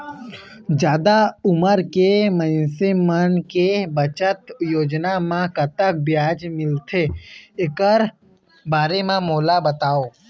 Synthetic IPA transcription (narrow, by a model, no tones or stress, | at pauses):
d͡ʒjaːd̪aʊməɾkemə̃ɪnsemənkebət͡ʃət̪joːd͡ʒnamãkət̪ək̚bjaːd͡ʒmɪlt̪ʰeɪkəɾ | baːɾemãmoːlabət̪aːoː